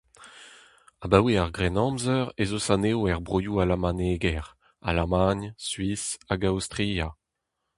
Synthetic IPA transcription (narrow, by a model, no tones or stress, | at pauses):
abaweaʁɡʁɛnɑ̃mzœʁezosaneoɛʁbʁojualamaneɡɛʁ | a̰lamaɲsɥisaɡawst̪ʁija